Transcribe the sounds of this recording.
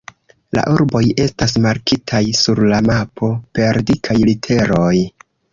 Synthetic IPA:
la̰ʔuɾbo̞je̞stas̬maɾkitʰajsuɾlamapʰo̞pe̞ɾdikʰajlitʰe̞ɾo̞j

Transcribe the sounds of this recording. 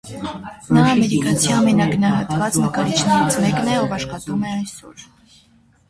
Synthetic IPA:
nɑːmɛɾikɑt͡sʰiɑmɛnɑɡənɑɦɑt̪vɑt͡snəkɑɾit͡ʃʰnɛɾit͡sʰmɛknɛɔvɑʃχɑt̪umɛɑjsɔ̰ɾ

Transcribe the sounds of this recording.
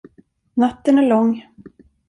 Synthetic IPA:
nat̪ːənæɭɔŋː

